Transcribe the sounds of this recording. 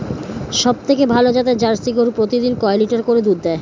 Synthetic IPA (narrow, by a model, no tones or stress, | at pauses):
ʃɔb̚t̪ʰekebʱalod͡ʑat̪ed͡ʑaɾsiɡoɾpɾot̪id̪inkɔeliʈaɾkoɾed̪uɾd̪ɛe